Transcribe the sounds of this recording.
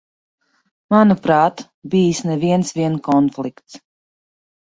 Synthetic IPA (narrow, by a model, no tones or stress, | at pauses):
manupɾaːt̪ | bijsnɛviɛnsviɛnkɔnflˠikt̪s